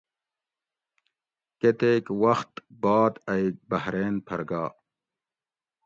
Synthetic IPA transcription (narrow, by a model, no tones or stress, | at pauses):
ket̪eːkwɐxt̪baːd̪ɐibɐhɾeːnpʰɐɾɡaː